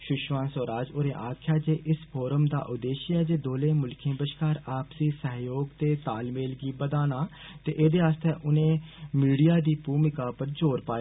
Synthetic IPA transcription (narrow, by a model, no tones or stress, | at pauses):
ʃʊʃʋãːsoːɾaːd͡ʒoːɾẽːʔaːkʰjaːd͡ʒeːʔɪspʰoːɾəmd̪a̰ːʔʊd̪eːʃiɛːd͡ʒeːd̪oːlẽːmʊlkʰẽːbəʃkaːɾaːpsiːsəɦjoːɡt̪eːt̪aːlmeːlɡiːbəd̪aːnaː | t̪eːʔeːd̪eːaːst̪eːʔʊnẽːmiːɽijaːd̪iːpuːmɪkaːpəɾd͡ʒoːɾpaːe